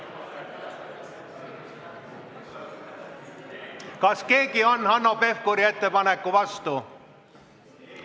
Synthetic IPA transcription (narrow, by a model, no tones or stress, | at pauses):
kɑske̞ːkio̞nːhɑnːo̞pe̞fkuɾie̞t̪ːe̞pɑnekːuvɑst̪u